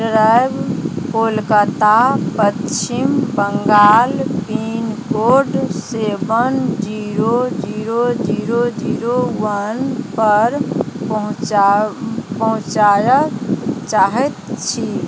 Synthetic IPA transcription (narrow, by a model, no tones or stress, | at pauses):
sɾabkolkət̪apətt͡ʃimbəŋɡaːlpinkoɖsebənd͡ʒiɾod͡ʒiɾod͡ʒiɾod͡ʒiɾowənpəɾpəɦ | pəɦũt͡ʃajət͡ʃaɦɛt̪̚t͡ʃʰi